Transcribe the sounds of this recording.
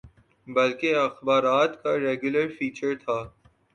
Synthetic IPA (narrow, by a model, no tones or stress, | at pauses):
bɐlkeɐxbaːɾaːt̪kaɾɛːɡjʊləɾfiːt͡ʃəɾt̪ʰaː